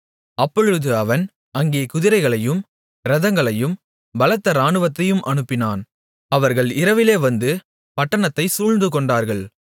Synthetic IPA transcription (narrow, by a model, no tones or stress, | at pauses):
ɐpːɔɻɯðɯɐʋɐn | ɐŋɡeːkʊðɪɾɐɪɣɐɭɐjɯm | ɾɐðɐŋɡɐɭɐjɯm | bɐlɐt̪ːɐɾaːɳɯʋɐt̪ːɐjɯmʔɐɳɯpːɪnaːn | ɐʋɐɾɣɐɭɪɾɐʋɪleːʋɐnd̪ɯ | pɐʈːɐɳɐt̪ːɐɪsuːɻnd̪ɯkɔɳɖaːɾɣɐɭ